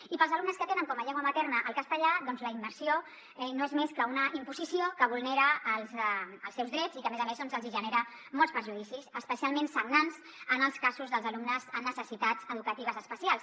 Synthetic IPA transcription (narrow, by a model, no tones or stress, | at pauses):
ipəlˠzəlumnəskət̪enəŋkɔməʎɛŋɡwəmət̪ɛrnəʔəlˠkəst̪əʎaðɔnzləiməɾrsio | ɛnoezmeskəunəʔimpuzisiokəβulˠneɾəːlˠzəəlˠsɛwzðɾɛd͡zikəmezəmezðɔnzəlˠziʒəneɾə | mɔlˠspəɾʒuðisisəspəsialˠmensəɡnanz | ənəlˠskazuzðəlˠzəlumnəzənnəsəsit̪azəðukət̪iβ̞əzəspəsialˠs